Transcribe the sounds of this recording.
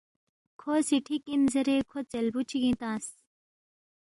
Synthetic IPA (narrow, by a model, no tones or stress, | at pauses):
kʰoːsiʈʰikinzɐɾekʰot͡selbut͡ɕʰiɡĩt̪ãːs